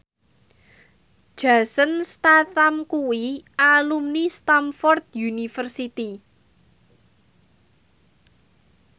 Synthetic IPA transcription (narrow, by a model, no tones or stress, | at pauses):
d̥ʒ̥a̤sənst̪aθamkuwiʔalumnist̪amfɔrt̪̚junifərsit̪i